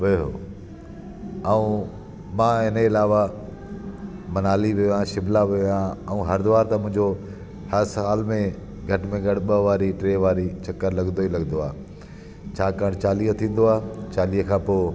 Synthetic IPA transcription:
ʋeɦo̰ː | əũː | mãːɦɪnəɪlaːʋa | mɐnaːliʋiojãʃɪblaʋijãəũːɦɐɾd̪ʊʋaːɾt̪ãmʊ̃ɦɪ̃ɲd͡ʑo | hɐɾsaːlmẽ | ɡʱɐʈmẽɡɐɽ̤ɓəʋaːɾiʈɾeːʋaːɾit͡ɕʰɐkːəɾlɐɡnd̪oilɐɡnd̪oaː | t͡ɕʰaːkaːəɽ̃t͡ɕaːliːət̪ʰĩːn̆d̪oaːt͡ɕaːliːəkʰãːpoː

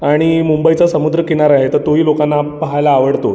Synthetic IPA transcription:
aɽ̃imumbəit͡sasəmud̪ɾəkeɽ̃aɾaɦet̪əɾt̪oɦiːlokanːapəɦajlaːʋəɽt̪o

